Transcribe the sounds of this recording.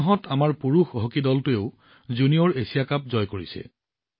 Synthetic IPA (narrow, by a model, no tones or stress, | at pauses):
ɦɔtʰamaɹpuɹuxɦokidɔltʊeʊ | zunijɔɹesijakap̚zɔjkoɹḭsɛ̰